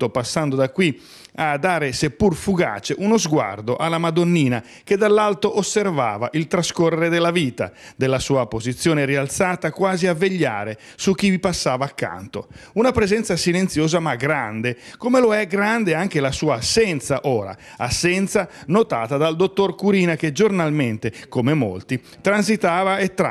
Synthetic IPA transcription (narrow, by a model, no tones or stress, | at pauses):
t̪opasːand̪od̪akːwi | ad̪ːaːɾesepːurfuɡa̰ːt͡ʃeʔunozɡwa̰rd̪oʔalːamad̪onːiːna | k̟ed̪alːalt̪oʔosːerva̰ːvaʔilt̪ɾaskorːeɾed̪elːaviːt̪a̰d̪elːasuːapozit̪sːjoːneɾialt̪saːt̪akwaːziavːeʎːa̰ːɾe | suk̟ːivipasːaːvaːkːa̰nt̪o̰unapɾɛzɛnt̪sasilent̪sjoːzamaɡɾand̪ekomeloɛɡɾand̪eaŋk̟elasuːaːsːɛnt̪saʔoːɾa̰ | asːɛnt̪sanot̪aːt̪ad̪ald̪ot̪ːorkuɾiːnaked͡ʒornalment̪ekomemo̰lt̪i | t̪ɾans̬it̪aːvaet̪ːɾ